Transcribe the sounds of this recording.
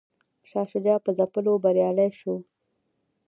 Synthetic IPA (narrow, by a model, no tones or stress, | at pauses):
ʃɑʃʊd͡ʒɑpəzapəlobaɾjɑləjʃo